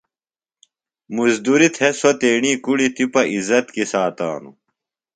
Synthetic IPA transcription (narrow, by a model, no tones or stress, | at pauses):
muzd̪uɾit̪ʰhesot̪eːɳiːkuɽit̪ipɐʔizɐt̪kisaːt̪a̰ːnṵ